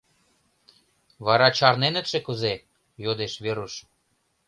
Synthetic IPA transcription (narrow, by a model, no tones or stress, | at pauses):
βɑɾɑt͡ɕɑrnenə̆t̪ʃekəze | jod̪eʃβeɾuʃ